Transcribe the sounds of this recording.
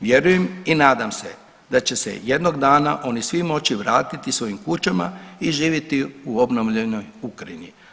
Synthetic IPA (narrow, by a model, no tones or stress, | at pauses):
ʋje̞ɾujeminaːd̪amsḛ | d̪at͡ɕe̞se̞̰je̞d̪no̞ɡd̪aːnaʔo̞nisʋimo̞t͡ɕiʋɾaːt̪it̪isʋo̞jimkut͡ʃama̰iʒiːʋjet̪iuobnoʋʎenojukɾaini